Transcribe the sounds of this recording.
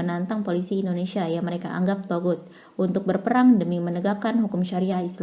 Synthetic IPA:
ənant̪aŋpolisiːndonesiajaŋməɾeka̰ʔa̰ŋɡap̚t̪oɡʊt̪̚ | unt̪ʊk̚bərpəɾaŋdəmimənəɡap̚kanɦukʊmʃaɾiahisl

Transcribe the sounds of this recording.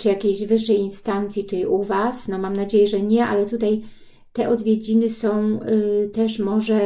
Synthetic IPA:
t͡ʂɘjakʲejʑvɘʂːɛjinst̪ant̪sʲjit̪ut̪ajʔuvasnɔmamnad͡ʑejɛʐɛɲɛʔa̰lɛt̪ut̪aj | t̪ɛʔɔd̪vʲjed͡ʑinɘsɔ̃w̃t̪ɛʂmɔʐɛ

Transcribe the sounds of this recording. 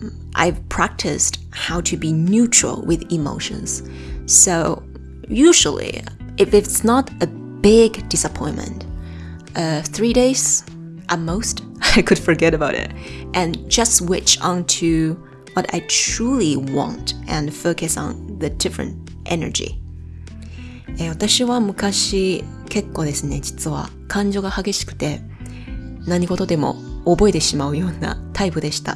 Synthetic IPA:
ʔa̰ɪv̥pʰɹ̥æk̚tʰɨst | haʊɾʰɨbinjʉt͡ʃɹ̥̰l̩ˠwɪðɪmo̰ʊʃɨ̰̃nz̥ | soʊ | jʉʒl̩ˠḭʔɨfɨtsnəɾʔɨ | b̥ɪɡd̥ɨsəpʰɔ̃ɪ̃nmɨ̰̃nt | ʔʌθɹiɾeɪz̥ | ʔəmoʊstaɪkʰɨd̥fə˞ɡɛɾɨbaʊɾɪ̰t̚ʔɨ̃nd͡ʒʌst̚wɪt͡ʃə̃ntʰʉ | wʌɾa̰ɪtɾuːlˠiwɑ̰̃ntʔɛ̃nfokɨsɔ̰̃nðɨdɪfɹɨ̰̃nt̚ | ʔɛ̰nə̰˞d͡ʒḭ | ewat̪aɕiβamɯ̟kaɕi | ke̞kːo̞ːd̪e̞sɨne̞d͡ʑit͡sɨβa̰ | kʰãɲd͡ʒo̞ɡahaɡe̞ɕi̥kɯ̟̥t̪e̞ | naɲ̟iɡo̞t̪o̞d̪e̞mo̞̰obo̞e̞t̪e̞ɕimaɯ̟jo̞ːna̰t̪ʰaipɯ̟d̪e̞ɕi̥t̪a̰

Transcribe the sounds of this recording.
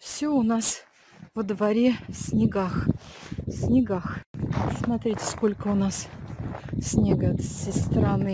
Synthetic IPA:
fsʲɵʊnas | vəd̪vɐɾʲesʲnʲɪɡax | sʲnʲɪɡaxsmɐt̪ɾʲitʲɪ̥skolʲkəʊnas | sʲnʲeɡət̪sʲɪst̪ɾanɨ

